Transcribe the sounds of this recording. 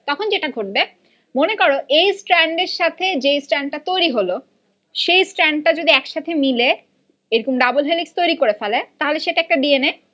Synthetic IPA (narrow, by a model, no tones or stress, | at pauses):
t̪ɔkʰond͡ʑeʈaɡʱoʈ̚be | monekoɾoʔejsʈɾɛɳɖeɾʃat̪ʰed͡ʑejsʈɾɛɳɖ̚ʈat̪ojɾiɦolo | ʃejsʈɾɛɳɖ̚ʈad͡ʑod̪iɛkʃat̪ʰemile | eɾokomɖabolɦelikst̪ojɾikoɾefɛlet̪aɦoleʃeʈaɛk̚ʈaɖiene